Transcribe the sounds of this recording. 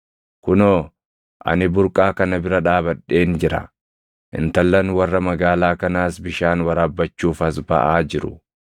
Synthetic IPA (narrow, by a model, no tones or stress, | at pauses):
kʊnoː | ʔɐ̰nɪbʊɾkʼaːkɐnɐbɪɾɐᶑaːbɐᶑːe̞ːnd͡ʒɪɾɐ̰ | ʔɪ̰nt̪ɐlːɐnwɐrːɐmɐɡaːlaːkɐnaːsbɪʃaːnwɐɾaːbːɐt͡ʃːuːfɐsbɐ̰ʔaːd͡ʒɪɾʊ